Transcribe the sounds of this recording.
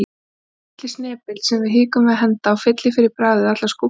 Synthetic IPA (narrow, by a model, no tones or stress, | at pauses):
t̪lɪsnɛːpɪlsɛmvaɾ̥ɦiːkʏmvɛðɦɛnt̪aːwfɪt̪lɪfɪɾɪɾ̥pɾaːðʏðat̪lasku